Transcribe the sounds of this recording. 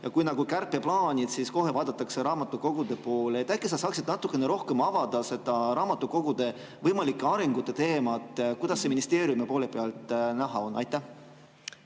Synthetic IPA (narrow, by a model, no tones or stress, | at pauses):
jɑkujnɑɡukærpːe̞plɑːnʲid̪̥sisko̞ɦe̞vɑːd̪̥ɑt̪ːˑɑkseɾɑːmɑt̪ːˑuko̞ɡ̥ud̪e̞po̞ːlet̪ːˑækːˑesɑsɑːksid̪nɑt̪ːˑukːˑe̞ne̞ɾo̞hke̞mɑvɑd̪̥ɑse̞d̪̥ɑɾɑːmɑt̪ːˑuko̞ɡ̥ud̪̥e̞ | vɤjmɑlikːˑeɑɾeŋɡ̥ut̪ːˑe̞t̪e̞ːmɑt̪ːˑkujd̪ɑsːeminist̪e̞ːɾijumepo̞ːle̞peɑlt̪ˑnæɦɑo̞nːɑjt̪ːˑæh